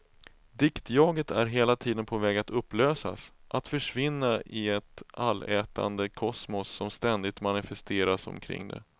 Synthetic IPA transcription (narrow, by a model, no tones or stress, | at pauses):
d̪ɪkt̪jɑːɡət̪ʰæɾɦeːlat̪ʰiːd̪ənpʰɔvɛːɡat̪ɵpːløːsa̰sʔat̪fœʂvɪnːaʔɪɛt̪alːɛːt̪ʰa̰nd̪əkʰɔsmɔsːɔmst̪ɛnd̪ɪt̪manɪfɛst̪ʰeːɾasɔ̰mkʰɾɪ̰ŋːd̪ɛ̰